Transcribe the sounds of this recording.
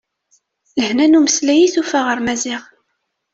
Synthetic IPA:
ləhnænuməslæjiθufaʁəɾmæziʁ

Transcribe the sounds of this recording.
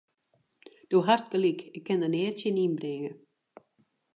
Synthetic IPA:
d̥oɦast̚kəlikɪkʰːɛndəneːrtjəninbrɪŋə

